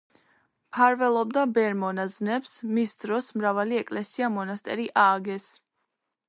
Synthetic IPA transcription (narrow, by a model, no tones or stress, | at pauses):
pʰaɾvɛlˠɔb̚d̪abɛɾmɔnaznɛpsmisd̪ɾɔsmɾavaliɛkʼlɛsiamɔnast̪ʼɛ̰ɾiʔaːɡɛs